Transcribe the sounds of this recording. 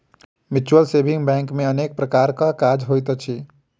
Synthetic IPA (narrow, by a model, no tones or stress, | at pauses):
mit͡ʃuəlsebʱiŋɡbɛ̃ŋkmẽənek̚pɾəkaɾkakad͡ʒɦojt̪t͡ʃʰi